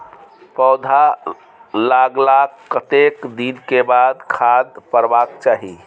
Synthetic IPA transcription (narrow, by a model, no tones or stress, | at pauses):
pɔwd̪ʱa | laɡlakːət̪ekd̪inkebad̪kʰad̪̚pəɾbakt͡ʃaɦi